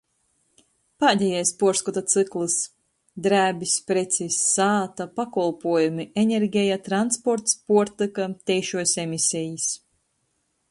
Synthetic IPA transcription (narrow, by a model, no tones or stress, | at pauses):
paːd̪ʲɛjɛjspuɔɾskɔt̪at̪sɨklˠɨs | d̪ɾæːbispɾet̪sisːaːt̪apakɔlˠpuɔjumienʲeɾɡʲɛjat̪ɾanspɔɾt̪spuɔɾt̪ɨkat̪ʲɛjʃuɔsʲemisʲɛjis